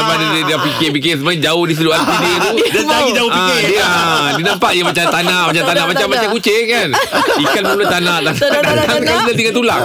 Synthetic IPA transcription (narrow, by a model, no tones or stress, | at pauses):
padadidapikeʔp̬ik̬eʔsəmad͡ʒaʊhdis̬iluant̪idit̪udaaid͡ʒaʊhiadiəadinampaʔjamat͡ʃamt̪anãʔmat͡ʃamt̪anãʔmatt͡ʃamːat͡ʃamkut͡ʃekanikanpənulat̪anãʔt̪andaakalidat̪iŋat̪ulaʔ